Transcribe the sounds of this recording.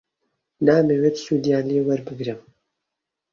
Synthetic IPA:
naːmeweːt̪sud̪ijaːnleːwɐɾbɨɡɾɨm

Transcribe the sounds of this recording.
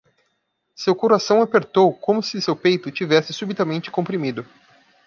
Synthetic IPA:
sewkoɾasɐ̃w̃apeɾt̪owkõmʊsɪsewpejt̪ʊt͡ʃivɛsɪsubit̪amẽnt͡ʃɪ̥kõpɾimid̪ʊ

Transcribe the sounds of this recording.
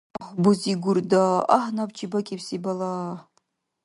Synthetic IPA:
χʷbʊziɡʷʊrdaahnapt͡ʃʰibakʲʼipsibala

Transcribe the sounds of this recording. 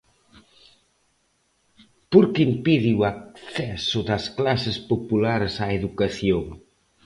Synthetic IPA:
poɾkimpiðiwak̚θɛsʊðɐsklasespopulaɾsaeðukaθjoŋ

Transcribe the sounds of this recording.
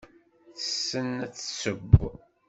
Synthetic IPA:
θə̥sːənæt͡sːsəb

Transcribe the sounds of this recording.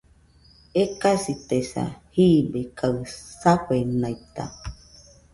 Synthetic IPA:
ekasit̪esa̰hiːbekaɨsakʷenajt̪a̰

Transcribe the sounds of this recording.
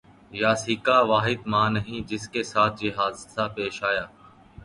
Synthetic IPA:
jaːsiːkaːʋaːɦɪd̪mãːnəɦĩːd͡ʒɪskeːsaːt̪̚ʰd͡ʒɪɦaːzsaːpeːʃaːjaː

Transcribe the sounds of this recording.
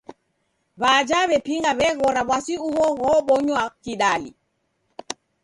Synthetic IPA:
βad͡ʒaβɛpiŋɡaβɛɣɔɾaβwasiuɣɔɣɔɓɔɲwakiɗalḭ

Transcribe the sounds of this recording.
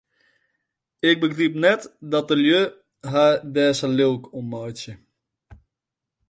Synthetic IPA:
ɪk̚bəɡrip̚nɛtdɔtəljø | ɦadɛːsəlɪlˠkʰɔmːɔjsjə

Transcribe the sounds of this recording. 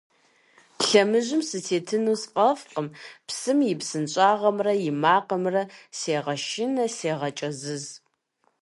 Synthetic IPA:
pɬɐmɨʑɪmsɨtʰeːtʰɨnuːsfʼɐfqəmpsɨmjɪpsɨnt͡ʃʼaːʁɐmrɐjɪmaːqəmrɐseːʁɐʃɪnɐseːʁɐt͡ʃʼɐzɨz

